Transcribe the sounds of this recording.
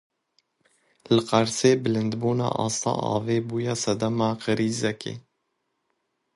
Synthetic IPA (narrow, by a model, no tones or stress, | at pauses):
lɨqɑɾseːbɪlɨnd̪buːnɑ̰ːʔɑːst̪ɑ̰ːʔɑ̰ːveːbuːjɑːsɛd̪ɛmɑːqəɾiːzɛkʰḛː